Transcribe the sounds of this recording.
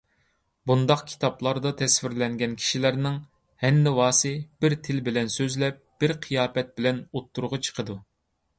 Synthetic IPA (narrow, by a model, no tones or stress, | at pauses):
bund̪ɑqkʲʰi̥t̪ʰɑplˠɑɾd̪ɑt̪ʰɛsfɪɾlɛŋɡʲɛnkʲʰi̥ʃilæɾnɪŋ | hɛnːɪwɑːsɨb̥ɪɾt̪ʰɪlbɪlɛnsøzlɛp̚b̥ɪɾqʰijɑːpɛt̪̚bɪlɛnot̪ʰːuɾʁɑt͡ʃʰə̥qʰəd̪u